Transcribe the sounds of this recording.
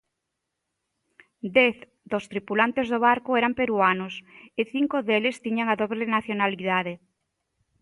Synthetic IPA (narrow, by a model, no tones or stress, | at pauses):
d̪ɛθ | d̪ost̪ɾipulant̪ezðoβaɾkʊɛɾampeɾuanʊsɪθiŋkoðelɪst̪iɲaŋaðoβlenaθjonaliðaðe